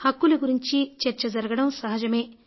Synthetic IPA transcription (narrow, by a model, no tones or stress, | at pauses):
hɐkːulɐɡuɾiɲt͡ʃit͡ʃɐɾt͡ʃɐd͡ʒɐɾɐɡɐɽɐmsɐɦɐd͡ʒɐme̞ː